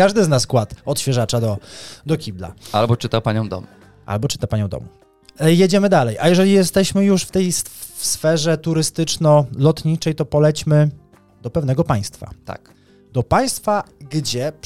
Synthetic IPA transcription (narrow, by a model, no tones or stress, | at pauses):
kaʐd̪ɘznaskwat̪ɔt̪ɕfʲjɛʐat͡ʂad̪ɔd̪ɔkʲibla̰ʔalbɔt͡ʂɘt̪apaɲɔ̃w̃d̪ɔ̰mu | ʔa̰lbɔt͡ʂɘ̥t̪apaɲɔ̃w̃d̪ɔ̰mu | jɛd͡ʑɛmɘd̪alɛjʔajɛʐɛlʲijɛst̪ɛɕmɘjuʂft̪ɛjsfɛʐɛt̪uɾɘst̪ɘt͡ʂnɔlɔt̪ɲit͡ʂɛjt̪ɔpɔlɛt͡ɕmɘ | d̪̥ɔpɛvnɛɡɔpaj̃st̪fa̰t̪a̰k | d̪ɔpaj̃st̪faɡd͡ʑɛ